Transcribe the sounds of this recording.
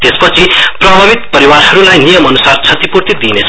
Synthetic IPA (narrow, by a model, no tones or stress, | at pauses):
t̪espʌt͡sʰiprʌbʱʌbit̪̚pʌɾiwaɾhʌɾulajnijʌmʌnusart͡sʰʌt̪ipurt̪it̪̚d̪inet͡sʰ